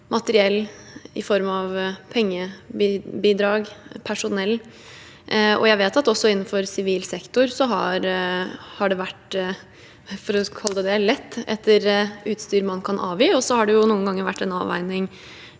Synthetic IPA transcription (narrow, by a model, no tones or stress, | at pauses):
mʔɑt̪əɾɪɛlːɪ̰fɔɾmɑʋpʰɛŋːəbibiːd̪ɾɑːɡpʰæʂʊnɛlː | ɔ̰jæɪʋeːt̪ɑt̪ɔsːɔɪnːn̩fɔɾsɪʋiːlsɛkt̪ʊɾsɔɦɑɾ | hɑɖɛʋæʈ | fɔɾɔɑləd̪ɛd̪ɛlɛt̪ːɛt̪ʰːəɾʉːt̪st̪yːɾmɑnkʰɑnʔɑ̰ːʋiːɔsɔhɑɖɛjʊnuːənɡɑŋːəɾʋæ̰ʈːɛnɑ̰ːʋæ̰ɪnɪŋ